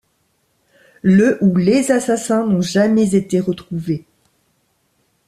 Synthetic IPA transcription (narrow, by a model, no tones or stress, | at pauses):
ləʔulezasasɛ̃nɔ̃ʒamɛzet̪eʁət̪χuve